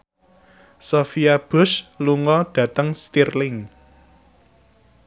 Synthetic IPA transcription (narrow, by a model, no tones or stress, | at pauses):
sofiab̥ʊ̤sluŋɔɖ̥ä̤t̪əŋst̪irlɪŋ